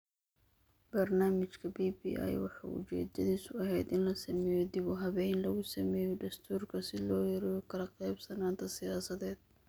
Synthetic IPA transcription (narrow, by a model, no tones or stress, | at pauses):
b̥ɐrnaːmɪt͡ʃkʰɐbiːbḭːʔa̰jwɑħɑ̰ːʊ̰t͡ʃɛ̰ːd̪ɐðiːsʊɐɦɛjd̪ɪnlɐsɐmɛːjɔd̪ɪβʊɦɐβɛjnlɐɣʊsɐmɛːjɔd̪ɐst̪ʰuːrkʰɐsɪlɔːjɐɾɛɔkʰɐlɐqɛjbsɐnaːnt̪ʰɐsɪjaːsɐðɛːd̪̥̚